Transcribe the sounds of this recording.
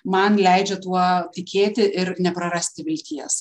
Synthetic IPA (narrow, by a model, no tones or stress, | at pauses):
mɐnlʲɛɪd͡ʒʲɛt̪uɔt̪ʲɪkʲʰeːt̪ʲɪʔɪɾnʲɛpɾɐɾɐsʲt̪ʲɪʋʲɪlʲt̪ʲiɛs